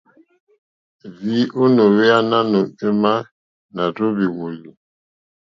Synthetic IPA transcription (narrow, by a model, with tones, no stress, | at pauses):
vi˦ʔo˦no˨we˦a˦na˦no˨e˦ma˦ | na˨to˦bi˨ŋo˨li˨